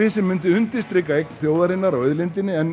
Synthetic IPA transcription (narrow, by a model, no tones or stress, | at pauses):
ɪsɪmːʏnt̪ɪʏnt̪ɪ̥st̪ɾɪːkːaejk̚nθjoːwðaɾɪnːaɾawœðlɪnt̪ɪnːɪɛn